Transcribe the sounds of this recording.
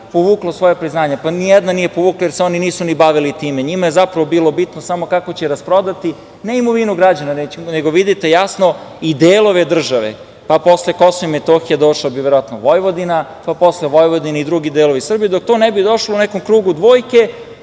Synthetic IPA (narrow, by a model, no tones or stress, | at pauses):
poʋuːklˠasʋo̞japɾiznaːɲepanijɛd̪nanije̞poʋuːklˠajeɾseo̞niniːsunibaʋilit̪iːmeɲimaje̞zapɾaʋobiːlˠobit̪nosamo̞kako̞t͡ɕeɾaspɾod̪at̪i | neimoʋinuɡɾad͡ʑananeneɡoʋid̪it̪e̞jasnoid̪eːlˠo̞ʋe̞d̪r̩ʒaʋḛ | papo̞sleko̞soimet̪oxijed̪o̞ʃlabiʋeɾoʋat̪noʋo̞jʋo̞d̪ina | papo̞sleʋojʋod̪inaid̪ɾuɡid̪elˠoʋisr̩bijed̪ok̚t̪onɛbid̪oʃlounɛko̞mkɾuːɡud̪ʋo̞ːjke̞